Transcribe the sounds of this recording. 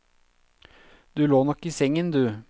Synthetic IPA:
d̪ʉːloːnɔkiːsɛŋənd̪ʉː

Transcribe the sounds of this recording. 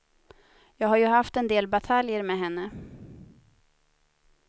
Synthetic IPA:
jɑːɡhaɾjɵhaft̪ɛnd̪eːlbat̪ʰaljəɾmɛːɦɛnːə

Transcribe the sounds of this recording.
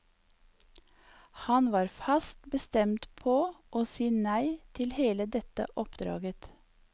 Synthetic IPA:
hɑnʋɑːɾfɑst̪bəst̪ɛmt̪pʰoːʔoːsiːnæɪt̪ʰɪlheːləd̪ɛt̪ə̰ʔɔpd̪ɾɑ̰ːɡət̪

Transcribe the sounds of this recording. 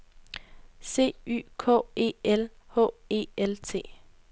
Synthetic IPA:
se̝̰ːy̰ːkʰɔ̰ːe̝̰ːelhɔ̰ːe̝̰ːelt͡sʰe̝̰ː

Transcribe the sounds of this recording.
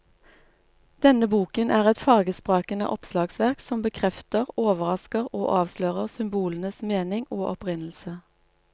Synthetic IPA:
d̪̥ɛnəbuːkənʔæːʁɛt̪fɑːɡəspʁɑːkənə̰ʔɔpslɑːɡsʋæʁksɔmbəkʰʁɛft̪əʁoːʋəʁɑskəʁoːʔɑːʋʃløːʁəʁsʏmbuːlən̩əsmeːnɪŋoːʔɔpʁɪnl̩sə

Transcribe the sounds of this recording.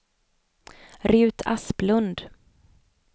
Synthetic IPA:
ɾʉ̟ːt̪ʰa̰splɵnd̪

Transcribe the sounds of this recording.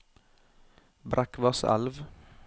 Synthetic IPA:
bɾʔækʋɑsæ̰lʋ

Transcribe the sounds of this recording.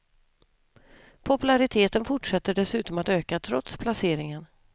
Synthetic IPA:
pʰɔpɵlaɾɪt̪ʰeːt̪ənfʊʈʂɛt̪ːəɖɛsʉ̟ːt̪ɔmat̪øːkat̪ʰɾɔt̪spʰlaseːɾɪŋən

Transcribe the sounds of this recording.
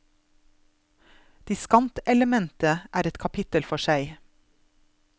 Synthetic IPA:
d̪̥iːskɑmt̪ɛləmɛnt̪əʔæːɾɛt̪kʰɑpʰɪt̪əlfɔʃæɪ

